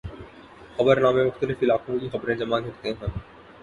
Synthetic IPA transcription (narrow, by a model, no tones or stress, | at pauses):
xɐbəɾnaːmemʊxt̪əlɪfilaːkʰũkixɐbɾẽd͡ʒɐmaɡʱɐɾt̪eɦɛ̃ː